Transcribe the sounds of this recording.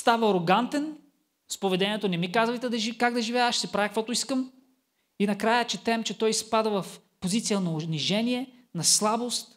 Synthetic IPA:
st̪avɐɐɾoɡant̪ɛn | spovɛd̪ɛnʲiɛt̪onɛmikazvɐjt̪ɛd̪ɐʒikaɡd̪ɐʒivʲjavɐʃsɛpɾavʲjɛkɐkvɔt̪ʊiskəm | inɐkɾajət͡ʃɛt̪ɛmt͡ʃɛt̪ɔjspad̪əvɐf | pozit̪sijənɐoniʒɛniɛ | nɐslˠabost̪

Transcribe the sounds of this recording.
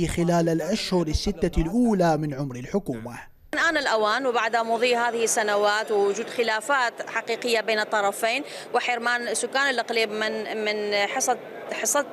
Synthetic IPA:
xɪlaːlalʔaʃhʊɾɪsːɪt̪ːalʔuːlamɪnʕʊmɾɪlħʊkuːma | nʔaːnɪlʔawaːnwbaʕd̪amʊðˤiːɦaːðɪhɪsːanawaːt̪wɪwʊd͡ʒuːd̪xɪlaːfaːt̪ħaqiːqɪjːabeːnɨt̪ˤːɑɾˤɑfeːn | wɪħɪɾmaːnsːʊkːaːnɪlʔaqliːbmɪmɪnħˤ | ħɪsˤɑ

